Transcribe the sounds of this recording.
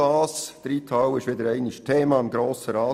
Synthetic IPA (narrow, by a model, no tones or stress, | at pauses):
ɑːsd̥əɾit̪ʰɑwɪʃʋɪd̪əɾɛɪnɪʃtʰeːmɑɪmɡɾoːsəɾɑː